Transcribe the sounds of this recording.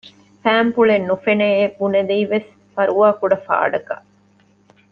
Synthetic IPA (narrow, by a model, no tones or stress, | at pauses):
fæːmpuɭenːufeneːebuned̪iiʋes | fɐɾuʋaːkuɖɐfa̰ːɖɐkɐ̰